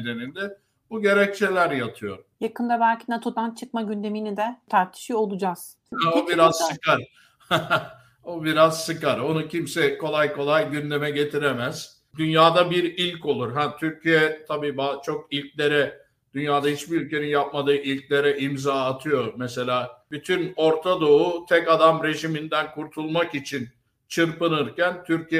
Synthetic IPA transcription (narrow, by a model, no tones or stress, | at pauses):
d̪e̞nind̪ɛ | buɟe̞ɾɛc̚t͡ʃʰe̞lʲæɾjat̪ʰɯjo̞̰jakɯnd̪abælʲcinat̪ʰo̞d̪ant͡ʃʰɯk̚maɟynd̪e̞minid̪ɛt̪ʰaɾt̪ʰi̥ʃio̞lˠud͡ʒaz̥ | hɛobiɾazsɯkaɾ | obiɾazsɯkaɾo̞nucʰimsɛkʰo̞lˠajkʰo̞lˠajɟynd̪e̞mɛɟe̞t̪ʰiɾemæz̥ | d̪ynjaːd̪abiɾilʲco̞lˠuɾɦat̪ʰyɾcʰijɛt̪ʰabiːbat͡ʃʰo̞kilʲclʲe̞ɾɛ | d̪̥ynjaːd̪ahit͡ʃbiɾylʲcʰe̞ninjap̚mad̪ɯːʔilʲclʲe̞ɾɛʔimzaːt̪ʰɯjo̞mɛse̞lʲaːbyt̪ʰyno̞ɾt̪ʰad̪o̞ut̪ʰɛkad̪amɾe̞ʒimind̪ænkʰuɾt̪ʰulˠmakit͡ʃʰin | t͡ʃʰɯɾpɯnɯɾcænt̪ʰyɾcʰijɛ